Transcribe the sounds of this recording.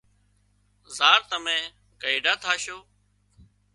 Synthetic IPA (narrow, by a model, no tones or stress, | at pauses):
zaːɾt̪əmẽː | kəiːɖaːt̪ʰaːʃoː